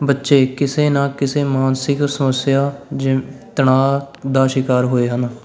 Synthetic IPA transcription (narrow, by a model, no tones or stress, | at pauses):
bətːʃeːkɪseːnãːkɪseːmaːnsɪksəməsjaːd͡ʒt̪əɳ̃aːd̪aːʃɪkaːɾɦoːeːɦən